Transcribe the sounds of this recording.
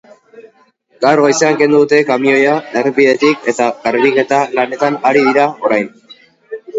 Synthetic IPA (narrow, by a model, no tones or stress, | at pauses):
ɡ̥awɾɣoisaŋke̞nd̪uðut̪e̞kamio̞jaerbiðe̞t̪ike̞t̪aɣaɾβike̞t̪alane̞t̪anaɾiðiɾao̞ɾajn